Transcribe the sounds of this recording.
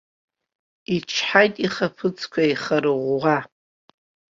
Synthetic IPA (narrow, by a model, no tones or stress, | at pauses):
it͡ʃʰħajtʼiχapʰɨt͡sʰʼkʷʰaiχaɾɨʁʷʁa